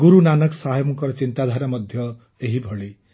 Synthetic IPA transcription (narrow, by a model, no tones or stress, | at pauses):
ɡuɾunanʌksaɦjmukɔɾɔt͡ʃint̪ad̪ʱaɾamʌd̪ʱjʌ | eɦibʱɔɭe